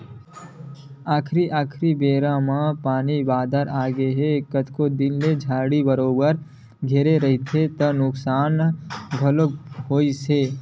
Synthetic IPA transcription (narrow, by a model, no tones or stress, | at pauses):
aːkʰɾiʔaːkʰɾibeːɾãmãpaːnibaːd̪ʱəɾʔaːɡeɦekət̪ʰkod̪ɪnled͡ʒʱaːɽibəɾoːbəɾ | ɡʱeːɾeɾɐɦit̪ʰet̪ənʊksaːnɡʱəlokɦoːiseː